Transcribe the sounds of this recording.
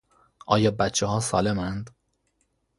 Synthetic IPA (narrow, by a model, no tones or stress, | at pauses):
ʔɒ̰ːjɒːbæt̪t͡ʃʰehɒːsɒ̰ːlemænd̪